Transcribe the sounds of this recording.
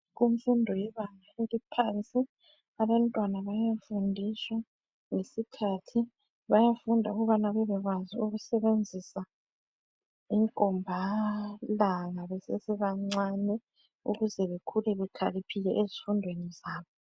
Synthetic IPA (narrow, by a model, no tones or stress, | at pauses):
ɣuɱ̩fundʱɔjɛβaŋaelipʰant͡sʼi | aβantʼwanaβajafundʱiswa | ŋesikʰatʰi | βajafundʱauɣuβanaβɛβɛɣwaziuɣusɛβend͡zʱisa | iŋkʼɔmbʱalaŋaβɛsesiβaŋ͡ǀanɛ | ṵɣuzɛβekʰulɛβɛkʰa̰lipʰiɣɛʔezifundʱwenizaːβɔ